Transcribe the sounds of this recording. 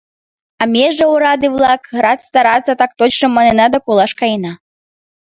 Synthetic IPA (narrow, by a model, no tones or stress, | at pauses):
ɑmʲeʒəuɾɑd̪ɨvlˠɑkɣɾɑt̪st̪ɑɾɑt͡sːət̪ɑk̚t̪ot͡ɕnəmːɑnenɑd̪akulˠɑʃkɑjnɑ